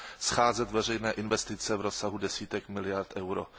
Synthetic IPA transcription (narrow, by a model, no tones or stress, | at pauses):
sxaːzɛt̪vɛr̝ɛjnɛːʔɪnvɛst̪ɪt͡sɛvɾosaɦudɛsiːt̪ɛkmɪlɪjaɾt̪ʔɛwɾo